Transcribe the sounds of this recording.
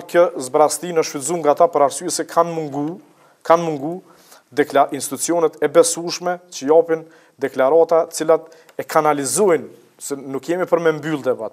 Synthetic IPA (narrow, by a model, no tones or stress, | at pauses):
kəzbɾast̪inəʃfizuŋɡaːt̪apəɾaɾsyɛsɛkʰanmuŋɡu | kanmuŋɡu | d̪ɛkaʔinst̪i̥t̪ut͡siɔnɛt̪ɛbɛsuʃmɛt͡ʃəjapin | d̪ɛklaɾat̪at̪ə̥t͡silat̪ | ɛkʰanalizɔjn | sɛːukjɛmipəɾmɛmbylˠd̪ɛbat̪